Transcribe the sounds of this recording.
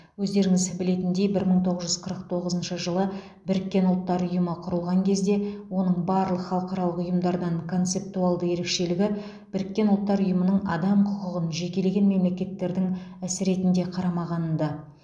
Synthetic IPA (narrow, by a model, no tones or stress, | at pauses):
wɵzd̪e̞ɾɪŋɪzbɪle̞t̪ɪnd̪ejbɪɾməɴt̪ʰo̞ʁəzʒʏzqʰəɾəq̚t̪ʰo̞ʁəzənʃəʒəlˠə | bɪɾɪkʲːe̞nʊlˠt̪ːɑɾʊjəməqʰʊɾəlˠʁɑŋkʲʰe̞zd̪e̞wo̞nəɴbɑɾlˠəqχɑlˠəqɑɾɑlˠəqʊjəmd̪ɑɾd̪ɑɴkʰo̞nt̪se̞p̚t̪uɑlˠd̪əje̞ɾe̞kʃe̞lɪɡʲɪ | b̥ɪɾɪkʲːe̞nʊlˠt̪ːɑɾʊjəmənəɴɑd̪ɑmqʰʊqəʁənʒe̞kʲe̞le̞ɡʲe̞nme̞mle̞kʲe̞t̪ːe̞ɾd̪ɪŋæsɪɾe̞t̪ɪnd̪e̞qʰɑɾɑmɑʁɑnənd̪ɑ